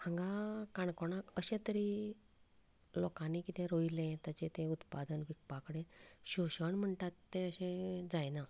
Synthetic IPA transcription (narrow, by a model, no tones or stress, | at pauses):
hãŋɡakaɳkoɽ̃akəɕẽt̪əɾi | lɔkãnikit̪ẽɾoilẽt̪jat͡ɕet̪ẽut̪pad̪ənʋik̚pakəɽeɕoɕəɳm̤əɳʈat̪ːẽəɕẽd͡zajna